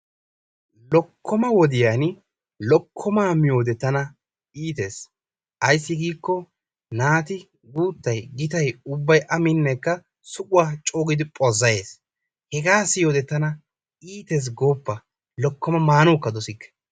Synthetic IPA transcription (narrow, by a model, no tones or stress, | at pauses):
lɔkʰːɔmɐwɔd̪ɪjaːn | lɔkʰːɔmaːmɪjo̞ːd̪ɛt̪ːɐnɐ | iːt̪e̞ːs | ʔɐjsːɪɡiːkːɔ | naːt̪ɪ | ɡuːt̪ːɐjɡɪt̪ɐjʊbːɐjʔɐmɪnːɛkːɐ | sʊkʼʊwaːt͡ʃʼoːɡɪd̪ɪpʼɔzːɐjeːs | hɛɡaːsɪjoːd̪ɛt̪ːɐnɐ | iːt̪e̞ːs̬ɡoːpːɐ | lɔkːɔmɐmaːnuːkːɐd̪ɔsɪkːɛ̥